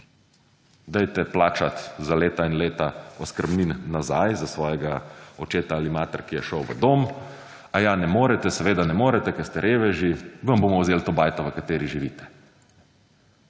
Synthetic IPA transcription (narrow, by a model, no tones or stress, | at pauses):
d̪ɛjt̪ɛplaːt͡ʃat̪zaleːt̪ainleːt̪aɔskəɾbniːnːazajzasʋɔːjɛɡaɔt͡ʃeːt̪aalimaːt̪əɾkijɛʃəwʋə̰d̪om | ajanɛmoːɾɛt̪ɛsɛʋeːd̪anɛmoːɾɛt̪ɛkɛst̪ɛɾʔeːʋɛʒiʋəmboːmɔwzeːlt̪oːbaːjt̪ɔʋəkat̪eːɾiʒiʋiːt̪ɛ̥